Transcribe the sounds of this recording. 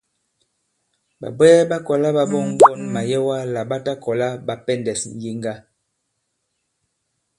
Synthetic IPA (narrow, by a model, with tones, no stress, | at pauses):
ba̰˨bɛː˦ba˦kɔ˨la˦ba˨bɔ˦ŋ˦ɡɔ˦˨nma˨jɛ˦wa˦la˨ba˦ta˦kɔ˨la˦ba˨pɛ˦˨ndɛ˨sn̩˨ji˦ŋɡa˦